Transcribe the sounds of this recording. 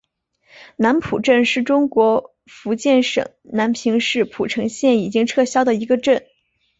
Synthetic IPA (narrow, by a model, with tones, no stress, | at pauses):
na˧˥npʰu˨˩ʈ͡ʂə˥˧nʂɻ̩˥˩ʈ͡ʂʊ˥ŋkwɔ˧˥ | fu˧˥t͡ɕjɛ˥˩nʂɤ̰˨˩˦ŋna˧˥npʰi˧˥ŋʂɻ̩˥˩pʰu˨˩ʈ͡ʂʰɤ˧˥ŋɕjɛ˥˩ni˨˩t͡ɕi˥ŋʈ͡ʂʰɤ˥˧ɕjɑ˥ʊd̪ə˨i˧˥ɡə˧ʈ͡ʂə˥˩n